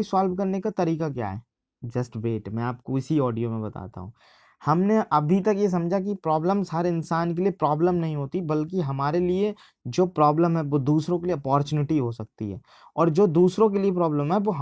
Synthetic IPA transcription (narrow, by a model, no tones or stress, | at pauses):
isaːlʋkɐɾnekat̪ɐɾiːkak̬ja̰ːɦɛ̰ː | d͡ʒɐsʈʋeːʈmɛ̃aːp̚koɪsiɔːɖijomẽbɐt̪a̰ːt̪a̰ɦũ | hɐmneʔɐbʱit̪ɐkjes̬ɐ̃md͡ʒʱak̬ipɾɔːbləmsaːɾeɪnsaːnk̬eliepɾɔːbləmnɐɦĩɦoːt̪ibɐlk̬iɦɐmaːɾelie | d͡ʒoːpɾɔːbləmɦɛʋod̪uːsɾõk̬elieɐpɔːɾt͡ʃuːnɪʈiɦosɐk̚t̪ḭɦɛ̰ː | ɔːɾd͡ʒoːd̪uːsɾõkeliep̬ɾɔːbləmɦɛʋoɦ